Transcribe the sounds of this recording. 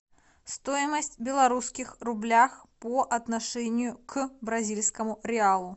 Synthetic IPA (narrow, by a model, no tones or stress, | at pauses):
st̪ojɪməsʲtʲbʲɪlˠɐɾuskʲixrʊblʲaxpoʔɐt̪naʂɛnʲɪjʊkbɾɐzʲilʲskəmʊɾʲɪalˠʊ